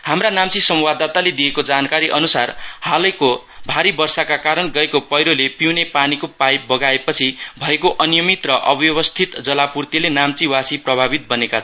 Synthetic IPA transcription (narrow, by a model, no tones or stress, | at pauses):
hamranamt͡sisʌmwad̪at̪aled̪ijekod͡zankaɾiʔʌnusarhalʌjko | bʱaɾibʌrsakakaɾʌnɡʌekopʌjɾolepiwnepanikopajbʌɡaepʌt͡sʰibʱʌekoʔʌnijʌmit̪rʌʔʌbjʌβʌst̪ʰit̪d͡zʌlapurt̪ilenamt͡siwasiprʌbʱabit̪̚bʌnekat͡sʰ